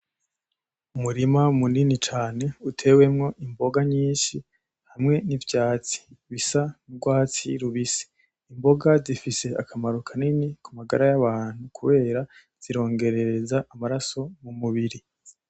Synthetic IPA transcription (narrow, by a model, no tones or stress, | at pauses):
umuɾimamuninit͡ʃaːne̞utʰe̞we̞mŋo̞ʔimbo̞ɡaɲiːnʃi | hamŋe̞nivjaːt͡si̥βisanɡwaːt͡siɾuβisi̥ː | mbo̞ɡazifise̞akʰamaɾukʰaninikumaɡaɾajaβaːn̥hukʰuβe̞ːɾa | z̥iɾo̞ːŋɡe̞ɾe̞ɾezaʔːmaɾaso̞mumuβiɾi